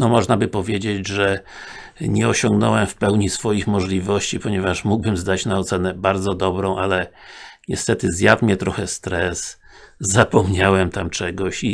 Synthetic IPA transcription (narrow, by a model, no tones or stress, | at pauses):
nɔmɔʐnabɘpɔvʲjed͡ʑed͡ʑʐɛ | ɲɛɔɕɔŋɡnɔwɛmfpɛwɲisfɔjixmɔʐlʲivɔɕt͡ɕipɔɲɛvaʂmuɡ̚bɘmzd̪at͡ɕnaɔt̪sɛnɛbaɾd̪zɔd̪ɔbɾɔ̃w̃ʔalɛɲɛst̪ɛt̪ɘzjat̪mʲjɛt̪ɾɔxɛst̪ɾɛs | zapɔmɲawɛmt̪amt͡ʂɛɡɔɕi